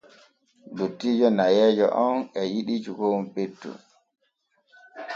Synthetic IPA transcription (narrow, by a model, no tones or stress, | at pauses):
dotːiːd͡ʒɔnajɛːd͡ʒɔ̰ʔɔnɛjiɗid͡ʒuɡowumpetːṵ